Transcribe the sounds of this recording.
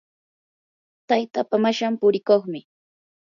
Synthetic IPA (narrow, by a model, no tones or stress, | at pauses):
t̪ajt̪apamaʃampʊɾɪkoχmɪ